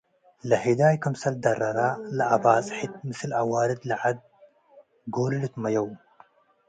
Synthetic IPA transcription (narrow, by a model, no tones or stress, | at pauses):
lɐɦid̪aːjkʰɐmsɐld̪ɐrːɐɾalɐʔabaːt͡sʼɨħit̪mɨsɨlʔawaːɾɨd̪lɐʕad̪̚ | ɡoːlɨlɨt̪mɐjɐw